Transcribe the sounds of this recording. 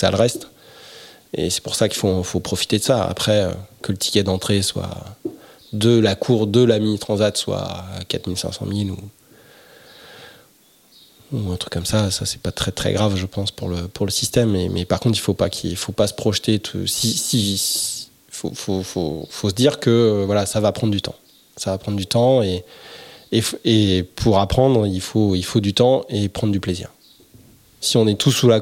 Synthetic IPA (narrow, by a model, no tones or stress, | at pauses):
sa̰ləʁɛst̪ | ḛsɛ̥puʁsakʲilfofopχɔfi̥t̪ed̪əsaa̰pχɛø̰kələt̪ʰi̥kʲɛd̪ɑ̃t̪χeswa̰ | d̪əlakʰuʁd̪əlaminit̪χɑ̃zat̪swa̰ːkat̪milsɛ̰̃sɑ̰̃milu | uɛ̃t̪χy̥kːɔmsasasɛ̥pat̪χɛt̪χɛ̰ɡʁavʒəpɑ̃spuʁləpuʁləsi̥st̪ɛmːɛmɛpaʁkɔ̃t̪χilfopakʲʰiifopasə̥pχɔʃt̪et̪ʰṵsisi | fo̰fofo̰fosəd̪iʁkəvwalasavapχɑ̃d̪ʁd̪yt̪ɑ̰̃ | savapχɑ̃d̪ʁd̪yt̪ɑ̃eː | fepʰuʁapχɑ̃d̪ʁilfoilfod̪yt̪ɑ̃epχɑ̃nd̪ʁd̪yplezḭːʁ | siɔ̃nɛt̪ʰusːula